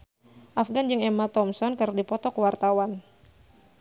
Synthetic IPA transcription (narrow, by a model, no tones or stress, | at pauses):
ʔafɡand͡ʒɨŋɛmat̪ɔmsɔnkərdipɔt̪ɔkəwart̪awan